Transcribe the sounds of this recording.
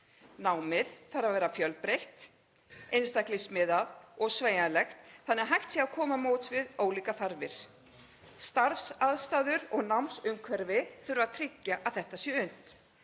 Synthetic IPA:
nawmɪðθaɾavɛːɾafjœlpɾejht̪ | ejnst̪aklɪsmɪðaðɔɣsveːjalɛxt̪θanɛaɦajht̪siakʰɔːmamoːwt̪svɪðoːwliːkaθaɾvɪɾ̥ | st̪aɾfsaðst̪aːðʏɾɔɣnawmsʏmkʰvɛɾvɪθʏɾʏvaðt̪ʰɾɪcːaʔaðθɛht̪asjɛʏn̥t̪

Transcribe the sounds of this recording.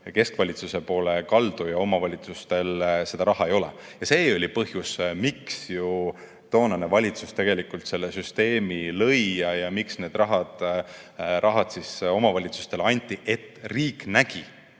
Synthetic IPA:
ke̞skvɑlʲit̪suse̞po̞ːlekɑld̪̥ujɑo̞mɑvɑlʲit̪sust̪e̞lse̞d̪̥ɑɾɑɦɑe̞jo̞lḛ | jɑse̞ːo̞lʲipɤɦjusmiksju | t̪o̞ːnɑne̞vɑlʲit̪sust̪e̞ɡ̥e̞likult̪se̞lːesyst̪e̞ːmilɤjːɑjɑmiksne̞ːd̪̥rɑɦɑd̪̥ | ɾʔɑɦɑd̪̥siso̞mɑvɑlʲit̪su̥st̪e̞lɑnʲt̪ʲːˑiʔe̞t̪ːriːknæɡ̥i

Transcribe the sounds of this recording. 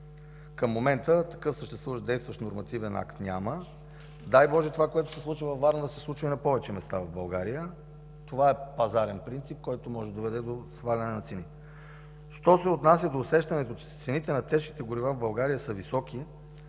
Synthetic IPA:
kəmːomɛnt̪ət̪ɐ̥kɤfsəʃt̪ɛst̪vuvɐʃd̪ɛjst̪vɐʃt̪noɾmɐt̪ivɛna̰kt̪nʲa̰mə | d̪ajbɔʒɛt̪ovakoɛt̪ʊ̥sɛsˠut͡ʃvəvɐfvaɾnd̪ɐsɛslˠut͡ʃvɐinɐpɔvɛt͡ʃɛmɛst̪avɐvbɐlˠɡaɾijə | t̪ovaɛpɐzaɾɛnpɾint̪sip̚kɔjt̪omɔʒɛd̪ovɛd̪ɛd̪osxvalʲɐnɛnɐt̪sɛnit̪ɛ | ʃt̪ɔsɛot̪nas̬ʲjəd̪oːsɛʃt̪ɐnɛt̪ot͡ʃɛ̥t̪sɛnit̪ɛnɐt̪ɛʃki̥t̪ɛɡʊɾivavbɐlˠɡaɾijəsəvisɔki

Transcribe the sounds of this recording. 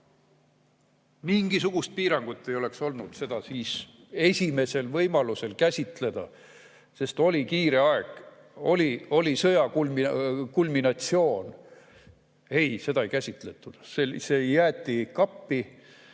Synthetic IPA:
miŋɡ̥isuɡ̥ust̪̚piːɾɑŋɡ̥ut̪ˑːe̞jo̞le̞kso̞lnud̪̥se̞d̪̥ɑsiːs | e̞sʲime̞se̞lvɤjmɑluse̞lkæsʲit̪le̞d̪̥ɑ̰ | se̞st̪o̞likiːɾe̞ɑeɡ̥ | o̞lio̞lisɤjɑkulmikulminɑt̪sio̞ːn | e̞jse̞d̪ɑejkæsʲit̪le̞t̪ːˑud̪̥sesejæːt̪ˑːikɑpːi

